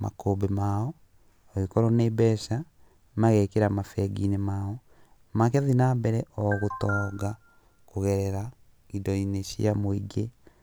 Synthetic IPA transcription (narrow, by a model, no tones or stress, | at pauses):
ma̰kobemaɔ | ɔikɔɾɔnebɛʃa | maɣɛkeɾamafɛɡinemaɔ | makɛðinabɛɾɛʔɔɣotɔːɡa | koɣɛɾɛɾa | idɔineʃḭamoiɡe